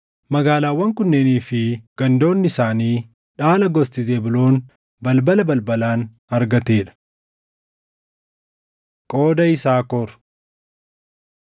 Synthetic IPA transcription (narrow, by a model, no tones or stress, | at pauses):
mɐɡaːlaːwːɐŋkʊnːeːniːfɪɡ̥ɐnd̪o̞ːnːɪsaːniː | ᶑaːlɐɡɔst̪ɪzeːbɪlo̞ːn | bɐlbɐlɐbɐlbɐlaːn | ɐɾɡɐt̪eːᶑɐ̥ | kʼoːd̪ɐɪsaːkɔɾ